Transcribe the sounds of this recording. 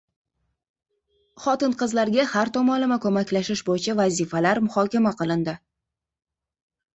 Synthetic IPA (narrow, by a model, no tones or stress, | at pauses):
χɒt̪ɪnqɨzlaɾɡʲahaɾt̪ʰɒmɒnlɪmakʰɵmakʲlaʃɪʃbojɪt͡ʃʰavazifalaɾmʊhɒkʲamaqɨlˠɪnd̪ɪ